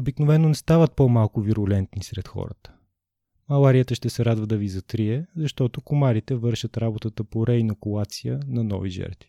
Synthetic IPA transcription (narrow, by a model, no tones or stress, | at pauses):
obiknovɛnːonɛst̪avət̪̚pomalˠkʊviɾʊlɛnt̪nisɾɛt̪xɔ̰ɾə̰t̪ə̥ | mɐlˠaɾijət̪əʃt̪ɛsɛɾad̪vəd̪ɐvizɐt̪ɾiɛzɐʃt̪ɔt̪okomaɾit̪ɛvɤɾʃət̪ɾabot̪ət̪əpoɾɛinokulˠat̪sijənɐnɔ̰viʒɛ̰ɾt̪vi̥